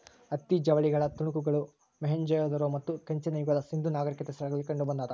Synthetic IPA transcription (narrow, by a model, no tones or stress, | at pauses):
ɐt̪ːid͡ʒɐʋɐɭiɡɐɭɐt̪uɳukuɡɐɭu | meɦɐɲd͡ʒɐjɐd̪ɐɾomɐt̪ːukɐɲt͡ʃinɐjukɐd̪ɐsind̪unaːɡɐɾikːɐt̪esɐɾɐɡɐɭikɐɳɖubɐnd̪aːd̪ɐ